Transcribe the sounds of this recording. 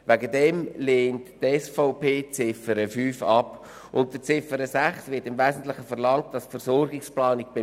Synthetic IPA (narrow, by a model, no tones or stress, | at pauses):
ʋæɡədɛmleːnttɛsfaʊpeːt͡sɪfəɾəfyːfɑp | ʔʊntdət͡sɪfəɾəsæχsvɪɾtɪmvɛːzən̩tlɪχəfəɾlɑŋt̚d̥ɑsfəɾsɔrɡɪksplɑːnɪɡ̚b̥ɪ